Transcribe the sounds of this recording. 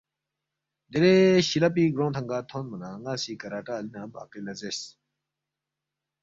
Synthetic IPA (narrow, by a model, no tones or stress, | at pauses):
d̪eɾeɕilɐp̬iːɡɾõːt̪ʰɐŋɡaːt̪ʰõːnmɐnaːŋaːsiːkɐɾaːʈaːlinãba̰ːkelɐzes